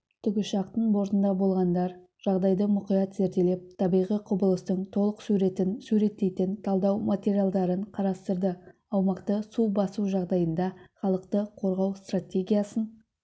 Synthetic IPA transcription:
t̪ʰʏɡʲɪʃɑq̚t̪əɴbo̞ɾt̪ənd̪ɑbo̞lˠʁɑnd̪ɑɾ | ʒ̥ɑʁd̪ɑjd̪əmʊqijɑt̪ze̞ɾt̪e̞le̞p̚t̪ʰɑbijʁijqʰʊbəlˠəst̪əɴt̪ʰo̞lˠəqsuɾe̞t̪ɪnsʉɾe̞t̪ːe̞jt̪ɪnt̪ʰɑlˠd̪ɑwmat̪ʲe̞ɾijalˠd̪ɑɾəɴqʰɑɾɑst̪əɾd̪ə | ɑwmɑqt̪əsubɑsuʒɑʁd̪ɑjənd̪ɑχɑlˠəqt̪əqʰo̞ɾʁɑwst̪ratʲe̞ɡʲijasən

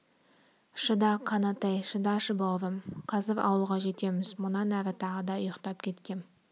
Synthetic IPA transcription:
ʃəd̪ɑqʰɑnɑt̪ejʃɨd̪ɑʃəbovəmqʰɑzɪɾɑ̰wəlˠʁɑʒe̞t̪e̞mɪzmʊnɑnæɾɪt̪ʰɑʁəd̪ɑʊjəqt̪ɑp̚kʲʰe̞t̪kʲe̞n

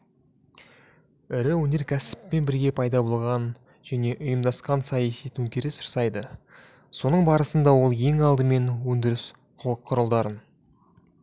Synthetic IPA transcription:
ɪɾɪwɵne̞ɾkʲʰæsɪ̥pːe̞nbɪɾɡʲe̞pʰɑjd̪ɑbo̞lˠʁɑn | ʒ̥æne̞ʔʊjəmd̪ɑsqɑnsɑjɑsijt̪ʰɵŋkʲeɾɪsəɾsɑjd̪ə | so̞nəɴbɑɾəsənd̪ɑwo̞lˠje̞ŋɑlˠd̪əme̞nwɵnd̪ɪɾɪs | qʰʊlˠəqʰːʊɾəlˠd̪ɑɾən

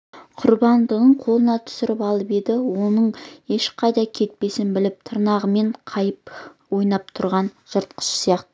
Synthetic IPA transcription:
qʰʊɾbɑnd̪əʁəɴqʰo̞lˠənɑt̪ʰʏ̥sɪɾɪpɑlˠəped̪ɪwo̞nəɴe̞ʃqʰɑjd̪ɑkʲʰe̞t̪̚pe̞sɪnbɪlɪp̚t̪ʰəɾnɑʁəme̞ɴqʰɑjəp̚ | wo̞jnɑp̚t̪ʰʊɾʁɑnʒ̥əɾt̪̚qʰə̥ʃsijɑqt̪ə

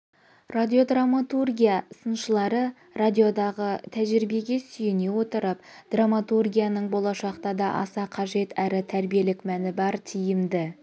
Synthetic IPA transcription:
rad̪ʲio̞d̪ramːat̪urɡʲijasənʃəlˠɑɾə | rad̪ʲio̞d̪ɑʁət̪ʰæʒɪɾɪbe̞ɡʲe̞sʏjɪne̞wo̞t̪əɾəpd̪̥ramat̪urɡʲijanəɴbo̞lˠɑʃɑqt̪ɑd̪ɑʔɑ̰sɑqʰɑʒe̞t̪ʰæɾɪt̪ʰæɾbije̞lɪkmænɪbɑɾt̪ʰijɪmd̪ɪ

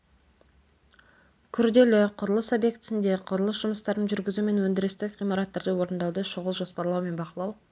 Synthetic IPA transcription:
kʲʰʏɾd̪e̞lɪqʰʊɾəlˠəsobje̞kt̪ɪsɪnd̪e̞qʰʊɾəlˠəsʒ̥ʊməst̪ɑɾənʒʏɾɡʲɪzume̞nwɵnd̪ɪɾɪst̪ɪʁijmɑɾɑt̪ːɑɾd̪əwo̞ɾənd̪ɑwd̪əʃoʁəlˠʒo̞spɑɾlˠɑwme̞nbɑqəlˠɑw

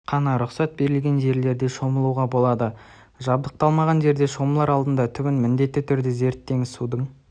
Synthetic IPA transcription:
qʰɑnɑɾʊqsɑt̪̚be̞ɾɪlɡʲe̞nʒe̞ɾle̞ɾd̪e̞ʃo̞məlˠuwʁɑbo̞lˠɑd̪ə | ʒɑbd̪əq̚t̪ɑlˠmɑʁɑnʒe̞ɾd̪e̞ʃo̞məlˠɑɾɑlˠd̪ənd̪ɑt̪ʰʏbɪnmɪnd̪e̞t̪ːɪt̪ʰʏɾd̪ɪze̞ɾt̪ːe̞ŋsud̪əɴ

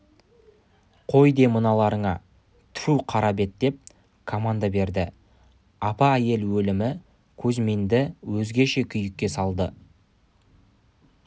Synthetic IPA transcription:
qʰo̞jd̪e̞mənɑlˠɑɾəɴɑ | t̪ʰʏ̥fuwqʰɑɾɑbe̞t̪̚d̪e̞p̚ | kʰomand̪ɑbe̞ɾd̪ɪ | ɑpɑæje̞lwɵlɪmɪ | kʲʰɵzme̞nd̪ɪwɵzɡʲe̞ʃe̞kʲʰʏjɪkʲːe̞sɑlˠd̪ə

